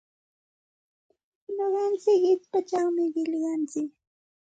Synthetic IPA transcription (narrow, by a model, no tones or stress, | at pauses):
ɲoɢɑnt͡sɪkɪt͡spat͡ʃaŋmɪɢɪʎɢɑnt͡sɪk